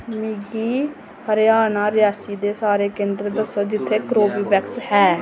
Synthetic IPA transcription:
miːɡiː | həɾjaːnaːɾɪjaːsiːd̪eːsaːɾeːkẽːnd̪ɾəd̪əsəɾd͡ʒɪt̪ʰːeːkɾoːbiːbɛkshɛː

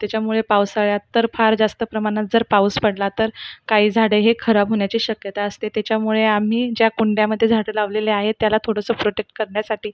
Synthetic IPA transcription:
t̪jat͡ɕjamuɭepawsaɭjat̪ːəɾfaɾd͡zast̪əpɾəmaɽ̃at̪̚d͡zəɾpauwspəɽlat̪əɾkaɦiːd͡zʱaɽeɦekʰəɾabɦoɳjat͡ɕiːɕəkjət̪aəst̪et̪jat͡ɕjamuɭeam̤iːd͡ʑjakuɳɖjaməd̪ʱjed͡zʱaɽəlaʋleleaɦet̪ːjalat̪ʰoɽəsəpɾoʈek̚ʈ̚kəɾɳjasaʈiː

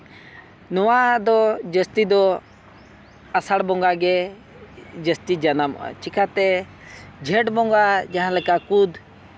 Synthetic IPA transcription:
nɔwad̪ɔd͡ʒəst̪id̪ɔ | asaɽbɔ̃ŋɡaɡɛ | d͡ʒəst̪id͡ʒanamɔ̰a̰t͡ʃikʰat̪ɛ | d͡ʒʱɛʈbɔ̃ŋɡad͡ʒaɦãlɛkakud̪

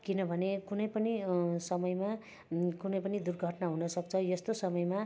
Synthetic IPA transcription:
kinʌbʱʌnekunʌjpʌnisʌmʌjma | kunʌjpʌnid̪urɡʱʌʈnaɦunʌsʌk̚t͡sʰʌjʌst̪osʌmʌjma

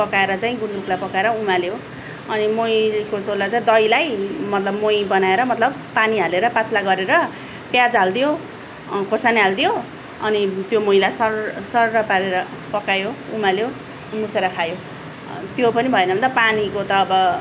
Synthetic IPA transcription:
pʌkaeɾʌt͡saĩɡund̪ruklajpʌkaeɾʌumaljo | ʌnimojkosolːat͡saĩd̪ʌjlajmʌt̪lʌbmojbʌnaeɾʌmʌt̪lʌb | paniɦaleɾʌpat̪laɡʌɾeɾʌ | pjad͡zald̪ijo | korsaniɦald̪ijo | ʌnit̪jomojlajsʌrsʌrrʌpaɾeɾʌ | pʌkajoumaljo | museɾʌkʰajo | t̪jopʌnibʱʌenʌbʱʌnt̪ʌpanikot̪ʌːbʌ

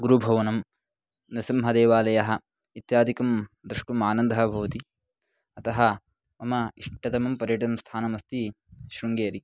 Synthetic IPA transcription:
ɡuɾubʱɐʋɐnɐm | nɐsimɦɐd̪eːʋaːlɐjɐɦɐ̆ | it̪jaːd̪ʱikɐmd̪ɾɐʂʈumaːnɐnd̪ʱɐɦɐbʱɐʋɐt̪i | ɐt̪ɐɦɐ | ɐmɐiʂʈɐd̪ɐmɐmpɐɾjɐʈɐmst̪ʰaːnɐmɐst̪i | ʃɾuŋɡeːɾi

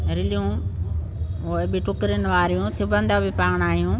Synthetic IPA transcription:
ɾɪlijũ | oɪbɪʈʊkɾjənɪʋaːɾijũsʊbʱə̃nd̪abɪpaːɽ̃aːɦijũ

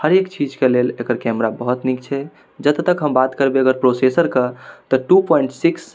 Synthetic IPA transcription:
həɾekt͡ʃid͡ʒkelelekəɾkɛmɾabəɦut̪nikt͡ʃʰɛ | d͡ʒət̪t̪ːəkɦəmbat̪kəɾbeəɡəɾpɾosesəɾkət̪əʈupɔiɳʈsiks

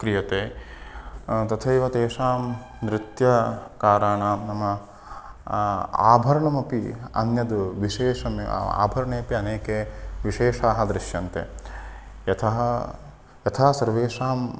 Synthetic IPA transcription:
kɾijɐt̪eː | t̪ɐt̪ʰɐːiʋɐt̪eːʂaːm | nɾɪt̪jɐkaːɾaːɳaːnɐmɐ | a̰ːbʱɐɾɐɳɐmɐpiɐ̰njɐd̪uʋiʃeːʂɐmea̰ːbʱɐɾɐɳeːpiɐneːkeʋiʃeːʂaːɦɐ̆d̪ɾiʃjɐnt̪ḛ | ɐt̪ʰɐɦɐ | jɐt̪ʰaːsɐɾʋeːʂaːm

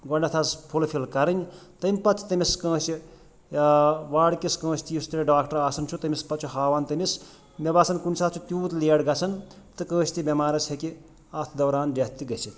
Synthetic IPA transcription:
ɡɔɳɖɐt̪ʰɐspʰulpʰilkɐɾɐnʲt̪ɐmʲpɐt͡sʰt̪ɐmiskə̃ːsi | ʋaːɽkiskɐ̃ːsʰʲt̪ijust̪ɐɾeɖaːkʈɐɾaːsɐnt͡ʃʰut̪ɐmʲispɐt̪t͡ʃʰuɦaːʋaːnt̪ɐmis | mebasʰɐnkunsaːt͡sʰut̪ʲuːt̪leːɽɡɐt͡sʰɐn | t̪ɨkɐ̃ːsʲt̪ibʲɐmaːɾɐsʰeki | ɐt̪ʰd̪ɐwɾaːnɖɐt̪ːiɡɐsʰit̪

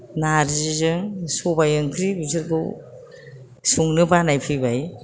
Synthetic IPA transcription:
naɾizzɯŋsubajɯŋkʰɾibizɯɾɡṵ | suŋnɯbanajpʰɯjbaj

